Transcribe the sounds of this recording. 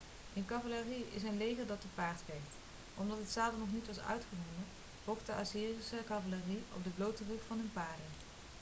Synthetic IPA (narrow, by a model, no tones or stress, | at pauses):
ɪnkɑvaləriɪ̰s̬ənlejɣəɹdɑt̚əpaːɹtkɛjkt | ʔɔmdɑtətsaːdənɔχnitʋɑsœ̰ɥtχənɔmə | bɔktəʔasiːrisəkɑvaləriɔ̰p̚dəblowtərupfɑnɦɵnpaːɹdən